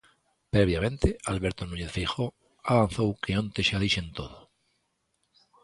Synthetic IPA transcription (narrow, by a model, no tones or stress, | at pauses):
pɾeβ̞jamẽnt̪ealβeɾt̪onũɲeθfejo | aβan̟θowkʰeõnt̪eʃaðiʃẽnt̪oðo